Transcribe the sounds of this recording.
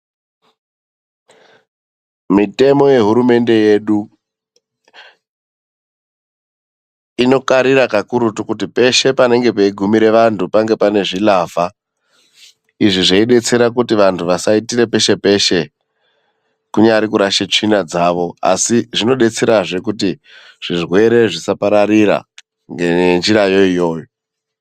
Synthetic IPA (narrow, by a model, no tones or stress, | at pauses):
mite̞mo̞je̞ɦuɾume̞nde̞je̞ːɗu | ino̞kaɾiɾakakuɾutukutipe̞ʃe̞pane̞ŋɡe̞peiɡʱumiɾe̞ʋantupaŋɡe̞pane̞ʐilava | iʐiʐeiɗe̞t͡se̞ɾakutiʋantʰuʋasaitiɾe̞pe̞ʃe̞pe̞ʃe̞ | kuɲaɾikuɾaʃet͡ʂinad͡zaːʋo̞a̰siʐino̞ɗe̞t͡se̞ɾaʐe̞kuti | ʐ̥irwe̞ɾe̞ʐisapaɾaɾiɾa̰ | ŋɡenend͡ʒirajo̞ijo̞ːjo